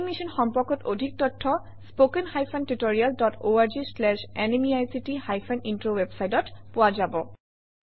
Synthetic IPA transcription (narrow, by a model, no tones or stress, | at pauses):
imisɔnxɔmpɔɹkɔtodʱik̚tɔtʰːɔ | spokenxajpʰantutoɹialdɔtʰoaɹd͡ʒislɛʃɛnemiajsitihajpʰɔnintɹowebsajtɔtpʊwazabɔ